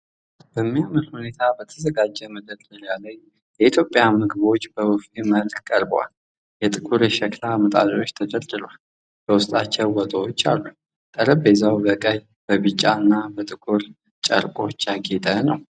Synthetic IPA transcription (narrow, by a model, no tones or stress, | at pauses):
b̥əmːijaməlhune̞t̪ʰabət̪ʰəzəɡad͡ʒːɛməd̪əlɨljaləj | jɛit̪ʰjo̞pʼːjamɨɡɨβo̞t͡ʃːbəwufiməlkkʼəɾbo̰wa̰l | jɛt̪ʼɨkʼuɾjɛʃɛklamət̪ʼa̰ɾio̞t͡ʃːt̪ʰəd͡ʒəld̪ɨɾal | b̥əwʊst̪ʼat͡ʃːɛwwət̪ʼoot͡ʃːa̰lːu | t̪ʼəɾəbezawbəkʼəj | b̥əβɨt͡ʃʼːaɨnːabət̪ʼɨkʼuɾ | t͡ʃʼə̰ɾkʼo̞t͡ʃːjaɡet̪ʼənəw